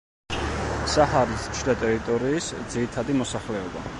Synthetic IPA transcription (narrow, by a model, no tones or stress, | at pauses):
sahaɾist͡ʃʰd̪at̪ʼɛɾit̪ʼɔɾiːsd̪ziɾit̪ʰad̪imɔsaχlɛɔba̰